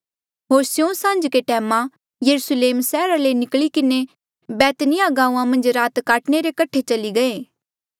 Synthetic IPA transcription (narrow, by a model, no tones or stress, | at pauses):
ɦoːɾsjõsãːnd͡ʒkeʈɛːmã | jɐɾusleːmsɛːɾalenɪklikɪne | bɛːt̪nɪjaɡãːũãmɐ̃nd͡ʒɾaːt̪kaːʈneɾekɐʈʰet͡ʃɐliɡɐẽː